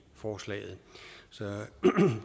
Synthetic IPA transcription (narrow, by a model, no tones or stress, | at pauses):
fɒːslɛ̰ːð̩ˠsɒ̽